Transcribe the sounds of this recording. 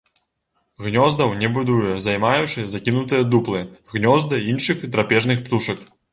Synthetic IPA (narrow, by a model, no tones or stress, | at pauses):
ɣnʲɔzd̪ɐwnʲɛbud̪ujɛzajmajut͡ʂɨzakʲinut̪ɨjɐd̪uplˠɨɣnʲɔzd̪ɨinʂɨxd̪ɾapʲɛʐnɨxpt̪uʂɐk